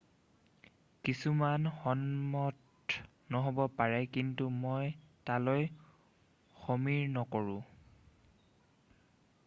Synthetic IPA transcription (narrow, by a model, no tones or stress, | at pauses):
kisumanxɔnmɔt | nɔɦobɔpaɹɛkintumojtaloj | xomiɹnɔkɔɹʊ̃